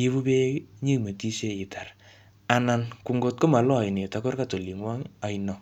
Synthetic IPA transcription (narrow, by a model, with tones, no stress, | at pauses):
i˦βu˦be˦ɲi˦me˨ti˦se˦ɪ˨ta˨r | a˨na˨nku˨ŋɡo˦t̚ko˦ma˨lɔ˦a˨jne˨ta˨˦ko˦rka˦to˨li˨ŋwɔ˦ŋa˨˦jnɔ˨